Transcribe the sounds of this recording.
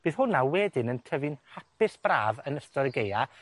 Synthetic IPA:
b̥ɨːðhʊnawɛdɪnəntʰəvɨnhapʰɪsb̥ra̰ːvənəstɔɾəɡeja

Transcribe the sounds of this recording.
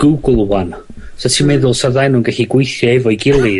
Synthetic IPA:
ɡ̥uɡlˠwan | sɛtʰimɛðʊlˠsəðajnuːnɡɛɬiɡwejθjɔɛvɔjɡɪlˠɪ

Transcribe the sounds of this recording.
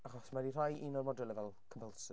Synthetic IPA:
aχɔsmadirajʔinɔrmɔdɛlˠɛvɛlˠkʰəmpəlˠsə

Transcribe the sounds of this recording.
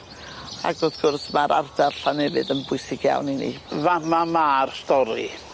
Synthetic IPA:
a̰ɡðoðɡ̥ʊrθmaɾʔa̰rdarɬanɛvɨdənbʊɨsɪɡ̥ja̰wninḭvamamaːrstɔɾi

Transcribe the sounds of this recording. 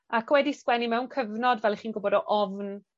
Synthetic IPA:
akʰwɛdiskwɛnimɛwnkʰəvnɔdvɛlˠiχiːnɡʊbɔdɔʔɔvn

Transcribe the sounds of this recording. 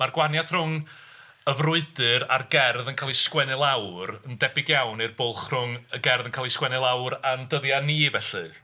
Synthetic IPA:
marɡwanjaθr̥ʊŋ | əvrʊɨdɨɾa̰rɡɛrðənkʰaːlˠiskwɛnɨlˠawrəndɛbɪɡjawnɨrbʊlˠχrʊŋəɡɛrðənkʰaːlˠiskwɛnɨlˠawɾandəðjaniːvɛɬɨ̰

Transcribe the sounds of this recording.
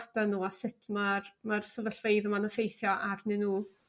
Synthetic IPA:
tanuːasɪtʰmarmarsəvəɬvejðəmanəfejθjɔʔarnɨnuː

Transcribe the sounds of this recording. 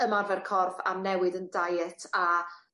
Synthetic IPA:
əmarvɛrkʰɔrfa̰mnɛwɨdəndajɛtʰa

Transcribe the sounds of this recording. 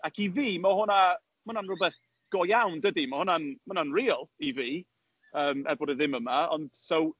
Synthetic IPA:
akʰiviːmahʊna | mʊnanrʊbɛθ | ɡ̥ɔjawndədimahʊnanmʊnanriːlˠiviː | əːmɛ̰bɔdɛðɪməmaɔnd̥sow

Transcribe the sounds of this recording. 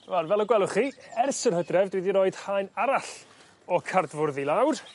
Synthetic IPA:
varvɛlˠɔɡwɛlˠʊχiɛrsərhədrɛvdwiðiɾɔɨd̥hajnaɾaɬ | ɔkʰardvʊrðilˠawr

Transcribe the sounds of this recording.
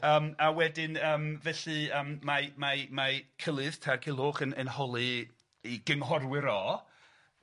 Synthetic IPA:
əːmawɛdɪnəːmvɛɬɨəːmːamamakʰəlˠɨð̥tʰarkʰɪlˠoχənənhɔlˠɨ | iɡ̥ənɦɔrwɪɾɔ

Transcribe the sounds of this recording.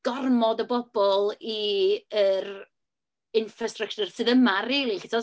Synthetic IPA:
ɡ̥ɔrmɔdəbɔb̥ɔlˠiər | ɪnfrastrək̚t͡ʃʊrsɨːðəmariːlˠiχɪtʰɔ

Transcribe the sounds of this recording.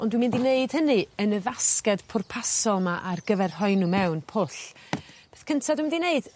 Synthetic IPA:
ʔɔndwimɪndineɨd̥hənɨənəvaskɛd̥pʰʊrpʰasɔlˠmaʔarɡ̥əvɛrɦɔɨnumɛwnpʰʊɬb̥eːθkʰəntʰadwmɪndineɨd̥

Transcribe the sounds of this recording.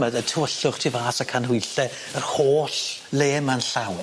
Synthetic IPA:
mɛðətʰəwəɬʊχtʰivaːsakʰanɦʊɨɬɛ | ərhoːɬ | leːmanɬawn

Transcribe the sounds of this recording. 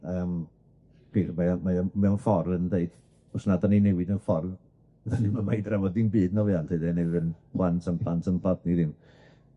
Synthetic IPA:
əːm | piːrmaamaamɛɔnfɔrvəndeɨd̥ | ɔsnadaninɛwɪdənfɔrv | danimamajdravɔdinbiːdnɔvjantʰeɨdɛnɛwðənpʰlˠantʰəmpʰlˠantʰəmpʰadniðɪm

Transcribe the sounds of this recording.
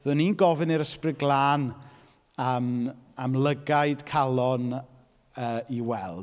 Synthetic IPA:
ðɨːninɡɔvɪniɾəsprɪɡlˠaːn | amamlˠəɡajd̥kʰalˠɔn | əːiwɛlˠd

